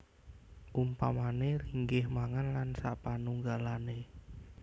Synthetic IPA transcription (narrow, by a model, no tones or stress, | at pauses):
ʔumpamaneriŋɡɪhmaŋanlansa̰ʔpanuŋɡalane